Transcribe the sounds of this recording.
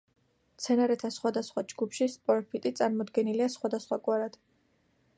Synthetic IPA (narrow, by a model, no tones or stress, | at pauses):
t̪sʰɛnaɾɛt̪ʰasχwad̪asχwad͡ʒɡupʰʃispʼɔɾpʰit̪ʼit̪sʼaɾmɔd̪ɡɛniliasχwad̪asχwakʼwaɾad̪̥